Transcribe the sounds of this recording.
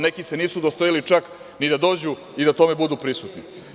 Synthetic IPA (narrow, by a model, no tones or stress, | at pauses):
ne̞kise̞niːsud̪ost̪ojalit͡ʃak | nid̪ad̪o̞ːd͡ʑu | id̪at̪o̞me̞bud̪upɾisut̪ni